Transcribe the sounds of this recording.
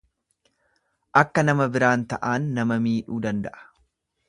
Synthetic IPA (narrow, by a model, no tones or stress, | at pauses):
ʔɐkːɐnɐmɐbɪɾaːnt̪ɐʔaːnːɐmɐmiːᶑuːd̪ɐnd̪ɐʔɐ̥